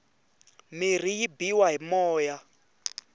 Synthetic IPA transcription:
mir̤ijibiwaɦimɔːja

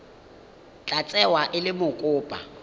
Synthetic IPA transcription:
t͡ɬʼat͡sʼɛwaʔɪlɪmʊkʼʊːpʼa

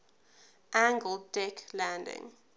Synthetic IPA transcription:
ʔæ̃ŋɡəldɛkʰlæ̃ndɪ̰̃ŋ

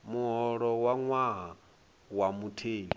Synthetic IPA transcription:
muɦɔɺɔwaŋwaɦa | wamutʰeːɲi

